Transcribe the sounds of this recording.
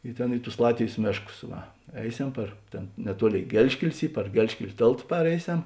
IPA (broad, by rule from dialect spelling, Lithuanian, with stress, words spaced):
ɪ ˈtʲeːn ɪ tʊs ˈlˠɑːtʲʋʲeːjs ˈmʲeːʃˌkʊs ˈʋɐ ˈɛɪˌsʲɛm pɐr ˈtʲeːn nʲɛˈtuɔˌlʲeːɪ ˈɡʲɛlʲʃʲkʲɛlʲɪs ˈiː pɐr ˈɡʲɛlʲʃʲkʲɛlʲ ˈtʲeːlˠt ˈpɑːrʲɛɪˌsʲɛm